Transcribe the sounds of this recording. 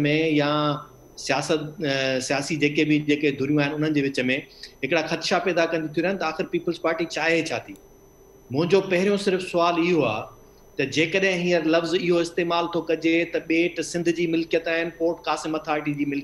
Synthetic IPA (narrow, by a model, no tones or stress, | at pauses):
mẽja | sijaːsət̪sijaːsid͡ʑeːkebɪd͡ʑeːked̪ʱʊɾijũaːɦɪnɪʊn̤ənɪ̆d͡ʑeːʋɪt͡ɕə̆mẽɦɪkɪɽaxɐt̪ɪʃapɛːd̪akɐ̃nd̪it̪ʰioɾaɦɪnɪt̪ɐaːxɪɾpiːpəlspaːɾʈit͡ɕaːɦet͡ɕʰaːt̪ʰiː | mʊ̃ɦɪ̃ɲd͡ʑopɐɦɪɾijõsɪɾfsʊaːlɪɦoa̰ː | t̪ɐd͡ʑeːkəɗɦɪ̃ɦĩːəɾlɐfzɪɦoɪst̪eːmaːlt̪ʰokɐd͡ʑet̪ɐɓeːʈsɪ̃nd̪ʱd͡ʑiːmɪlkijət̪aːɦɪnɪ̆poːɾʈkaːsɪmɐt̪ʰaːɾɪʈ̬id͡ʑiːmɪl